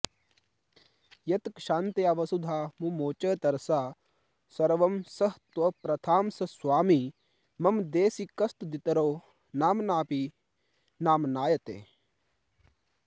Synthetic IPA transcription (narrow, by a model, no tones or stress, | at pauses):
jɐt̪kʃaːnt̪eɐʋɐsud̪ʱaːmumoːt͡ʃɐːt̪ɐɾsaː | sɐɾʋɐmsɐɦt̪ʋɐpɾɐt̪ʰaːmsɐswaːmi | mɐmd̪eːsikɐst̪d̪it̪ɐɾoː | naːmnaːpi | naːmnaːjɐt̪ḛː